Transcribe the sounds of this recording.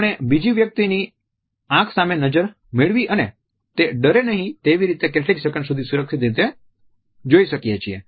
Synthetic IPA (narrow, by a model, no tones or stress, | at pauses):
əɳ̃ebid͡ʒiʋjək̚t̪ini | ãkʰsamenəd͡ʒəɾ | meɭʋiʔəne | t̪eɖəɾenəɦĩt̪eʋiɾit̪ekeʈeɾiʃəkənsud̪ʱisuɾəkʃit̪̚et̪̬e | d͡ʒoiʃəkijet͡ʃʰiḛ